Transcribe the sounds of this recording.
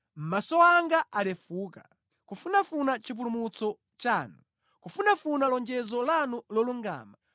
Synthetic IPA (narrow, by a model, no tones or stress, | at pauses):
m̩masɔaŋɡaʔalɛfuːka | kufunafunat͡ʃip̬ulumut͡sɔ | t͡ʃaːnu | kufunafunalɔnd͡ʒɛzɔlanulɔluŋɡa̰ːma